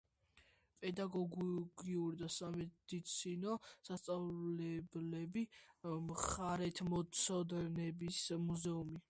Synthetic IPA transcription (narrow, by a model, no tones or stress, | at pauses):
pʼɛd̪aɡɔɡɡiuɾid̪asamɛd̪̥it̪sʰinɔsast̪sʼavlɛblɛbimχaɾɛt̪ʰmɔsʰɔd̪ɛnɛbismuzɛumi